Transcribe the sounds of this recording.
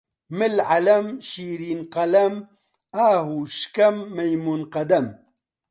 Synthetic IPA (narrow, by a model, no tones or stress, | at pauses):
mɪlʕalɐmʃiːɾiːnqɐlɐm | aːɦuʃkɐmːɐjmuːnqɐd̪ɐm